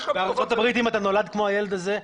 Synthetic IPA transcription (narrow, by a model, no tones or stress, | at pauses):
veaʁt͡so̞t̪abʁit̪imat̪ano̞lad̪kmo̞aje̞led̪aze̞